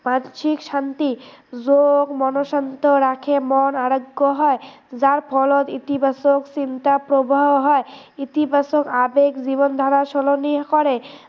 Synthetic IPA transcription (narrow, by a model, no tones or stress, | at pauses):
mat͡ʃʰikʃant̪id͡ʑoɡmɔnoʃant̪oɾakʰemɔnaɾoɡːoɦɔe | d͡ʑaɾpʰɔlot̪it̪ibʱasoksint̪apɾobaɦoɦɔe | it̪ibʱasokabeɡd͡ʑiβond̪ʱaɾaʃɔlonikɔɾe